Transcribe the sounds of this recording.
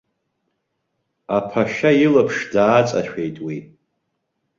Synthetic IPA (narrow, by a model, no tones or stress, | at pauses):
apʰaʃailapʰʂdaːt͡sʼaʃᶣe̞jtʼwi